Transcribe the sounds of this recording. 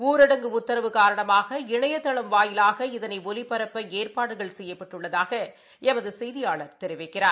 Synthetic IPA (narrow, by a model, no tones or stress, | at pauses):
uːɾɐɽɐŋɡɯʊt̪ːɐɾɐʋɯkaːɾɐɳɐmaːɣɐɪɳɐjɐt̪ːɐɭɐmʋaːjɪlaːɣɐɪðɐnɐɪɔlɪpːɐɾɐpːɐeːrpaːɽɯɣɐɭsɛjːɐpːɐʈːɯɭːɐðaːɣɐ | ʔɛmɐðɯsɛjðɪjaːɭɐɾt̪ɛɾɪʋɐɪkːɪraːɾ